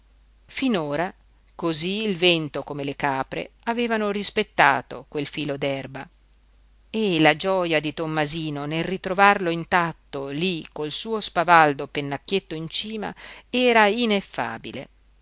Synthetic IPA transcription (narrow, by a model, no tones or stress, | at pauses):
finoːɾa | koziːlvɛnt̪okomelekaːpɾḛaveːvanoɾispet̪ːa̰ːt̪o̰kwelfiːlod̪ɛrba | elad͡ʒɔjad̪it̪omːaziːnonelrit̪ɾovarloint̪at̪ːolikolsuːospavald̪openːakːet̪ːoint͡ʃiːma̰ɛːɾainefːa̰ːbḭlḛ